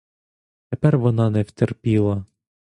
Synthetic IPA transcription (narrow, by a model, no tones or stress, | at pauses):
t̪epɛrʋɔnɑnɛwt̪erpʲilˠɐ